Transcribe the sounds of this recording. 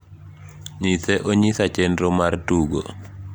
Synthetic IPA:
ɲiseʔoɲisat͡ʃenɾɔmartuɡo̰

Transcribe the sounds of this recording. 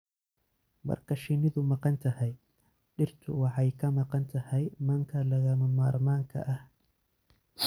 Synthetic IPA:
mɐ̰rkʰɐʃɪnɪðʊmɑqɑnt̪ʰɐhɛj | ɗɪrt̪ʰʊ̰wɑħɑjkʰɐmɐqɑnt̪ʰɐhɛjmɐŋkʰɐlɐɣɐmʊmaːɾmaːŋkʰɐ̰ʔɐh

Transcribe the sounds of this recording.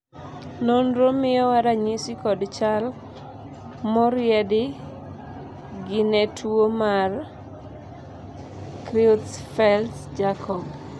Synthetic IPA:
nonɾomɪɔwaɾaɲɪsikɔdt͡ʃal | mɔɾjɛdɪ | ɡɪnɛtʰwomar | kɾiutfɛltd͡ʒakʰɔb

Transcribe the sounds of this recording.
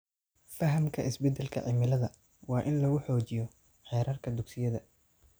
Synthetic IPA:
fɐɦɐmkʰɐʔɪsbɛd̪ɛlkʰɐ̰ʕɪmɪlɐðɐ | wɑːʔɪnlɐɣʊħɔːt͡ʃɪjɔ | ħɛːɾɐrkʰɐd̪ʊɡsɪjɐðɐ

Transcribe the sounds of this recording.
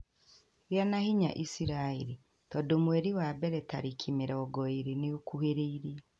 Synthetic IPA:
ɾjanahiɲa̰ʔisiɾaeɾi | tɔdomwɛɾiwabɛɾɛtaɾikʰimeɾɛɔɡɔeɾineokuheɾeiɾi

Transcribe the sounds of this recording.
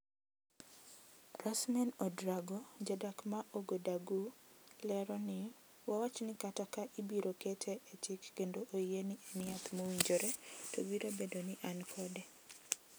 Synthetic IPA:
rasmɛnɔdɾaɡod͡ʒadakmaʔoɡodaɡulɛɾɔnɪ | wawat͡ʃnɪkatakaʔibiɾoketʰeʔet͡ʃɪkːendoʔojenɪʔenɪat̪mowiɲd͡ʒoɾetowiɾʔobedonɪʔankʰɔde

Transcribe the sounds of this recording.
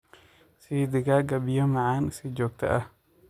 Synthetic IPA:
siːd̪ɪɡaːɡɐbɪjɔmɑʕɑːnsɪd͡ʒɔːɡ̚t̪ʰɐ̰ʔɐh

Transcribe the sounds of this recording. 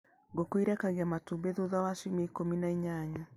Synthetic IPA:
ɡokwiɾɛkaɣeamatubeðuðawaʃimeikominaiɲaɲa

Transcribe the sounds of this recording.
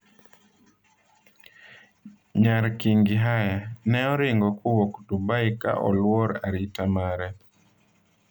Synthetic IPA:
ɲaɾkiŋɡiɦajanɛɔɾɪŋɡɔkuwoktubaika̰ʔɔ̰lwɔɾaɾitamaɾɛ

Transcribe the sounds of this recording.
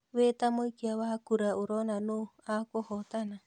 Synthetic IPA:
βet̪amoikiawakuɾaʔuɾɔnanoakɔhɔt̪ana

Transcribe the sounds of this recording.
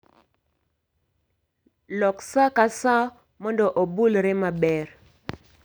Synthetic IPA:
lɔksakasa | mɔndɔʔobulɾemabɛɾ

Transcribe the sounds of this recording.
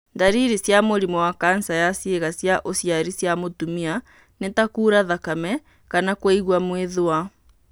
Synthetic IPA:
ndaɾiɾisjamoɾimɔwakansajasjeɣasjaʔosjaɾisjamotumia | netakuːɾaðakamɛ | kanakwaiɣwamweðoa

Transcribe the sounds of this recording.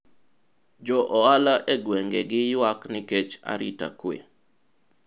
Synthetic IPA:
d͡ʒɔʔɔalaʔeɡweŋɡeɡɪjwaknɪket͡ʃa̰ɾḭta̰kwḛ

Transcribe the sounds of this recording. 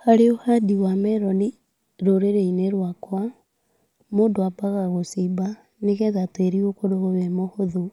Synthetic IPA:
haɾeohadiwameɾoni | ɾoɾeɾeineɾwakwa | moːndoapaɣaɣosiba | nekɛðateɾiokoɾoɣoβemohoðu

